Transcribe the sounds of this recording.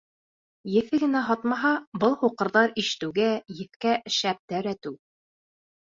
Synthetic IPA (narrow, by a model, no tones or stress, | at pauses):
jɘ̆fɘɡɘ̆næɦɑt̪mɑɦɑbɤlˠhuqɤ̆ɾðɑɾiʃɘ̥̆t̪ɘ̆wɡæjɘ̆fkæʔɘ̆ʃæp̚t̪æɾæt̪ʉw